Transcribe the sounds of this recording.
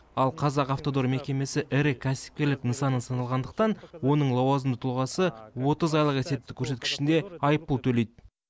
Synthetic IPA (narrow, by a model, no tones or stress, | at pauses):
ɑlˠqʰɑzɑqɑft̪o̞d̪o̞ɾme̞kʲe̞me̞sɪʔɪɾɪkʲʰæsɪ̥p̚kʲe̞ɾlɪknəsɑnənsɑnɑlˠʁɑnd̪əq̚t̪ɑnwo̞nəɴlˠɑwɑzəmd̪ət̪ʰlˠʁɑsəwo̞t̪əzɑjlˠəqese̞t̪ɪɪkʲʰːɵɾse̞t̪kʲɪ̥ʃɪnd̪e̞ɑjəpːəlˠt̪ʰɵle̞jd̪ɪ